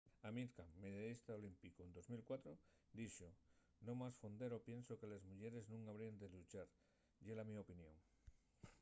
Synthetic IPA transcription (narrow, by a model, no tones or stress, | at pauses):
amiɾkamːeðjaðist̪aolimpikoend̪ozmilkwat̪ɾo | d̪iʃo | nõmasfond̪eɾopjẽnsokelezmuʎeɾeznũŋaβɾiand̪elut͡ʃaɾ | ʎelamiaopinjõ̰ŋ